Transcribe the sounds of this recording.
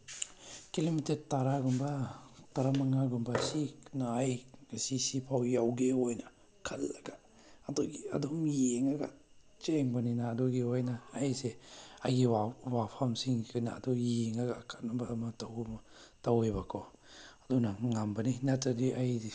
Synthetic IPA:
kilimiteɾtaɾaɡɔmbataɾamaŋaɡumbasiknaːjɡasisipʰawjawɡeojna | kʰalːaɡaː | dɔɡia̰dɔmjeŋaɡa̰ | t͡ʃeŋbaninaːdɔɡiojnaːjseajɡiwawapʰamsiŋkʰɯna̰dɔjeŋaɡakʰat̚nabaːmataw | tawebakʰɔ | adunaŋambaninatadiʔaj

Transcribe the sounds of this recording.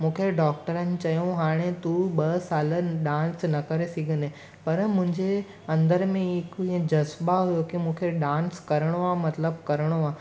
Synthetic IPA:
mũːkʰeɖɔːk̚ʈəɾənɪ̆t͡ɕɐjõɦaːɽ̃et̪uɓɐsaːləɗãːnsnɐkɐɾesiɡʱəne | pɐɾmʊ̃ɦɪ̃ɲd͡ʑe | ɐ̃nd̪əɾmẽɪkʊiə̃d͡ʑɐzbaɦujokimũːkʰeɖãːnskɐɾəɽ̃oamɐt̪ləbkɐɾəɽ̃oaː

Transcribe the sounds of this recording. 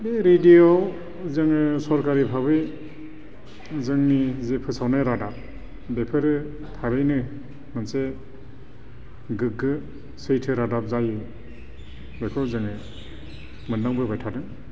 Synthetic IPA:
beɾedijow | zɯŋɯsɔɾkaɾipʰabɯj | zɯŋnizepʰɯsawnajɾadap̚ | bepʰɯɾɯ | tʰabɯjnɯ | mɯnse | ɡɯk̚ːɯ | sɯjtʰɯɾadap̚zajɯ | bekʰɯwzɯŋɯ | mɯndaŋbɯbajtʰadɯŋ

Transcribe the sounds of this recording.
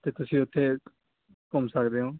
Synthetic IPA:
t̪eːt̪ʊsĩːʊt̪ʰːeː | kɔmsəkd̪eːɦõː

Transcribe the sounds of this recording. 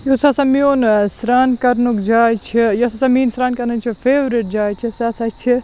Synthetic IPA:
josɐsɐmioːnsɾaːnkɐɾnukd͡ʒaːt͡ʃʰijɐsɐsɐmiːnsɾaːnkɐɾnɐt͡ʃʰipʰeːʋɾiʈ̚d͡ʒaːt͡ʃʰisasɐt͡ʃʰi

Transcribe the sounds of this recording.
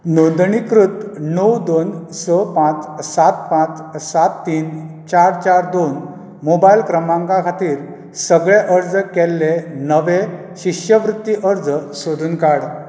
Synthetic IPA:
nod̪ɳikɾut̪nəwd̪onsəpãt͡ssat̪pãt͡ssat̪ːiːn | t͡ɕaɾt͡ɕaɾd̪on | mobajlkɾəmãŋkãkʰat̪iːɾ | səɡɭeʔəɾd͡zkɛlːenəʋe | ɕiɕjəʋɾut̪ːiʔəɾd͡zsod̪ʱuːnkaɽ

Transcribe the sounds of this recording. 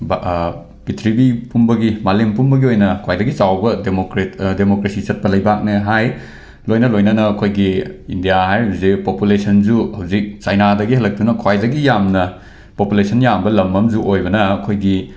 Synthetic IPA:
b | pitʰɾibipumbɐɡimalempumbɐɡiojnɐkʰwajdɐɡit͡ʃawbɐdemokɾetdemokɾesit͡ʃɐt̚pɐlɐjbak̚neɦaj | lojnɐlojnɐnɐːkʰojɡiindijaɦajɦɐwzik̚populesʰɐnd͡ʒuhɐwzik̚t͡ʃajnadɐɡihɦɐlːɐk̚tunɐkʰwajdɐɡijamnɐ | populesʰɐnjambɐlɐmːɐmd͡ʒuʔojbɐnɐɐkʰojɡi

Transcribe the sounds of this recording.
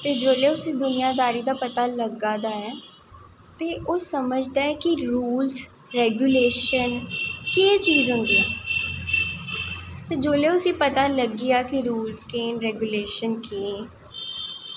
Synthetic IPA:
t̪eːd͡ʒoːleːʊsĩːd̪ʊnɪjaːd̪aːɾiːd̪aːpət̪aːləɡaːd̪aːɛː | t̪eːʔoːsəməd͡ʒd̪aːɛːkiɾuːlz | ɾɛːɡjuːleːʃənkeːt͡ʃiːzɦʊnd̪iːɛː | t̪eːd͡ʒoːleːʊsĩːpət̪aːləɡiːaːkɪɾuːlzkeːnɾɛːɡjuːleːʃənkeː

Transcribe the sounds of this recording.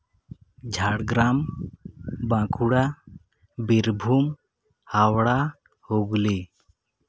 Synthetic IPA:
d͡ʒʱaɽɡɾam | bãkʰuɽa | biɾbʱum | hawɽa | hoɡli

